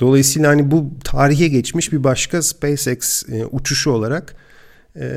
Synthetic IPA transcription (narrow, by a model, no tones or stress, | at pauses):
d̪̥o̞lˠajɯsiːlˠahanibut̪ʰaːɾiçɛɟɛt͡ʃmiʃbibaʃkʰaspejsɛksʔut͡ʃʰuʃuo̞lˠaɾakː